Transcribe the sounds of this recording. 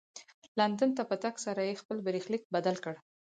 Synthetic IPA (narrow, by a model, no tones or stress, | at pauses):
land̪ant̪apət̪aksaɾajexpəlbəɾixlik̚bad̪alkəɽ